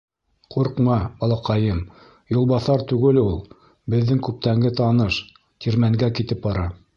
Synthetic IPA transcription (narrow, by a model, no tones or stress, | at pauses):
quɾqmɑbɑlˠɑqɑjɤm | jŭlˠbɑθɑɾt̪ʉɡɘlulˠ | bɘ̆ðːɘŋkʉp̚t̪æŋɡɘt̪ɑnɤʃ | t̪ʰiɾmæŋɡækit̪ɘp̚bɑɾɑ